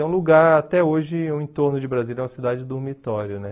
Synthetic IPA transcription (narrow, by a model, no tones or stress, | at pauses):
ũluɡaɾat̪ɛoʒɪũẽt̪oɾnʊd͡ʒɪbɾazilɛ̃ũɐsid̪ad͡ʒɪd̪oɾmit̪ɔɾjʊnɛ